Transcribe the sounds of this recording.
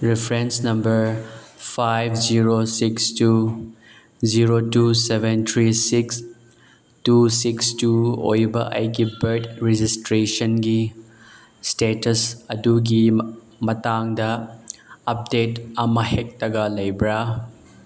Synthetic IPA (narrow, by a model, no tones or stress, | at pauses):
ɾipʰɾensnɐmbɐɾpʰajbʰʱziɾosikstu | ziɾotusebʱent̪ʰɾisiks | tusikstuo̰jbɐ̰ʔɐ̰jɡibɐɾtɾid͡ʒistɾesɐnɡi | stetɐsɐduɡi | mɐtaŋdɐ | ɐp̚detɐmɐhek̚tɐɡalɐjbɾa